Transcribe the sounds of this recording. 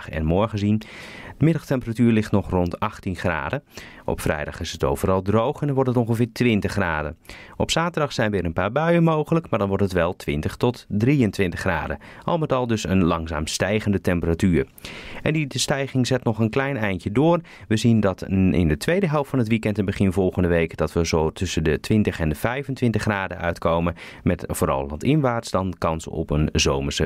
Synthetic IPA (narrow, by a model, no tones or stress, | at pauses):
ɛ̰nmɔɹɣənzindəmɪdɑxtɛmpəratyːɹlɪxtnɔχrɔntɑχtinχra̰ːdəʔɔ̰pfrɛ̰jdɑ̰χɪsəto̰wvəɾɑlˠdrowχɛndɑnʋɔɹtətɔŋχəvɪːɹtʰʋɪntəχraːdə̰ɔpsaːtədɑχsɛjnʋɪːɾənpaːɹbœɥənmowχələkmaːdɑnʋɔɹtɦətʋɛlˠtʰʋɪntəχtɔtdriəntʋɪntəχra̰ːdə̰ʔɑ̰lˠmɛdɑlˠdøsənlɑŋza̰ːmstɛjɣəndətɛmpəratyːrʔɛndistɛjχɪŋzɛtnɔχənklɛjnɛjntjədʊːr | ʋəzindɑtɪ̰ndətʋejdəɦɛlˠftfɑnɦətʋikɛntənbəχɪnvɔlˠχəndəʋejkdɑtʋəzotʰʏsəndətʋɪntəχɛndəv̥ɛjvəntʋɪntəχraːdəœ̰ɥtkowmən | mɛtfoːɾɑ̰lˠlɑ̰ntɪnʋaːɹtsdɑnkɑnsɔ̰pə̰nzowməɹsə